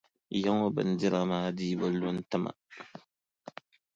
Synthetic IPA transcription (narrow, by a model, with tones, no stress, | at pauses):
ja˦ŋo˦bɨ̰˨n̩˦dɪ˦ɾa˨maː˦diː˦bɨ˦lo˦n̩˦tɨ˦ma̰˨